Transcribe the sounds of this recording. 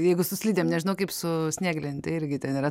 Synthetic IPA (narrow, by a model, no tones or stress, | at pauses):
jɛɪɡʊsʊsʲlʲiːdʲeːmnʲɛʒʲɪnɐʊkɐɪpsʊsʲnʲeːɡlʲenʲt̪ɐɪɪɾʲɡʲɪt̪ʲɛniɾɐ